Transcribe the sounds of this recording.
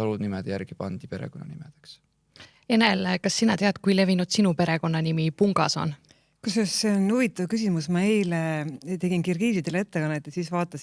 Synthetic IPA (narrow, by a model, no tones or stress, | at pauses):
ɑlud̪nimɛd̪jærɡ̥ipɑnd̪̥ipe̞ɾḛkonːɑ̰nimed̪̥eks | e̞nelkɑsːinɑt̪eɑd̪̚kujle̞vinud̪̥sinupe̞ɾe̞ko̞nːɑnimipuŋɡ̥ɑso̞̰n | kusɑsseonuvit̪ːˑɑvkysimusmɑejlet̪e̞ɡinkirɡiːsid̪ele̞t̪ːekɑnːet̪ˑːɑsiːsvɑːt̪ːˑɑs